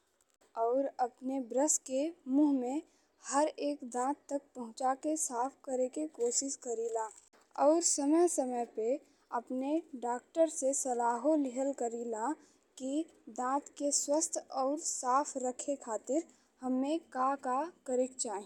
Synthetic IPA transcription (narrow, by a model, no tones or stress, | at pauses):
ɔːɾɐpnebɾəskemuːɦmẽ | həɾeːkd̪ãːt̪ːək̚pɐɦʊ̃t͡ʃakesaːpʰkəɾekekoːʃɪskəɾiːlaː | ɔːɾsəməjsəməjpe | ɐpneɖaːk̚ʈəɾsesɐlaːɦolɪɦəlkəɾiːla | kid̪ãːt̪keswəst̪ʰɔːɾsaːpʰɾəkʰekʰaːt̪ɪɾ | həmːẽkakakəɾɪk̚t͡ʃaːĩ